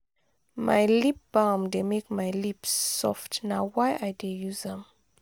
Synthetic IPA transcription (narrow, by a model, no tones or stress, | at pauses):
ma̰jlip̚b̥amdemekmajlipsːɔ̰ftnawajʔajdejuzðɛ̃m